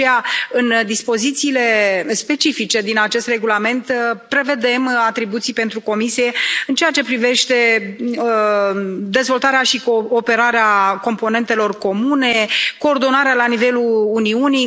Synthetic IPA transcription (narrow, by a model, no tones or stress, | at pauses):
eaɨnd̪ispo̞zit̪siːle̞spe̞t͡ʃifit͡ʃe̞d̪inat͡ʃe̞st̪re̞ɡulame̞nt̪pɾe̞ve̞d̪e̞mat̪ɾibut̪sijpe̞nt̪ɾuko̞misije̞ɨnt͡ʃe̞jat͡ʃe̞pɾive̞ʃt̪e̞ | d̪e̞zvo̞lt̪aɾeaʃikoːpe̞ɾaɾeako̞mpo̞ne̞nt̪e̞lo̞rko̞mune̞ko̞ːrd̪o̞naɾealanive̞lulːniunij